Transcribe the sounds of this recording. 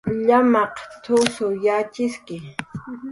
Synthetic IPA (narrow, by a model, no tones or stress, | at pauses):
ʎamɑqt̪ʰʊsʊjat͡ʃɪskɪ